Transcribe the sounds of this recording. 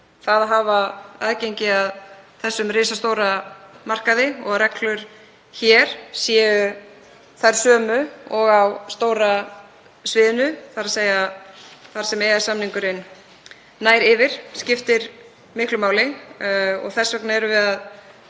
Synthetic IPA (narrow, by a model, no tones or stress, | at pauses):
θaðɦaːvaa̰ðcejɲcɪaðθɛsːʏmrɪːsast̪owɾamar̥kaðɪɔɣɾɛklʏɾ̥ | çɛɾ̥sjɛːʏ | θajɾ̥sœːmʏɔɣawst̪oːwɾa | svɪːðɪnʏθaɾaseja | θaɾ̥sɛmɛasamniŋkʏɾɪnː | aːjɾɪvɪɾ̥scɪft̪ɪɾ | mɪhklʏmaːwlɪ | ɔ̰ɣθɛsvɛknaɛɾʏvɛːðað